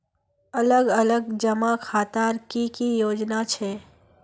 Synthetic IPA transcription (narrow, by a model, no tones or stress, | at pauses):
ələɡələɡd͡ʒəmakʰaːt̪aɾkikijoːd͡ʒnat͡ʃʰeː